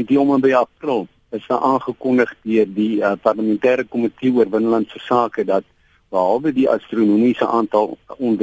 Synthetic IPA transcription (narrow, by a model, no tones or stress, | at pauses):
niɔməmbəjɐprəlˠ | əsəʔɑːnχəkɔndəχdiərdiəpɐrləmɛntæːɾəkɔmətiuərbənəlɐntsəsɑːkədɐt̚ | b̥əɦɐlˠbədiʔɐ̰strunumisəʔɑːntɐlˠɔn